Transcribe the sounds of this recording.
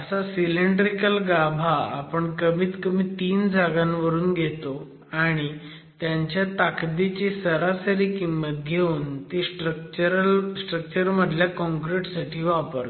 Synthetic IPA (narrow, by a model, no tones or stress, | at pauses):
əsasileɳɖɾikəlɡabʱaa̰pəɳkəmiːt̪kəmiːt̪iːnd͡zʱaɡãnʋəɾuːnɡʱet̪o | aɽ̃i | t̪jaɲt͡ɕjat̪akd̪it͡ɕesəɾasəɾiːkimːət̪̚ɡʱeuːnt̪esʈɾək̚t͡ɕəɾəlsʈɾək̚t͡ɕəɾməd̪ʱljakɔ̃ŋkɾeʈsaʈʰiːʋapə̰ɾ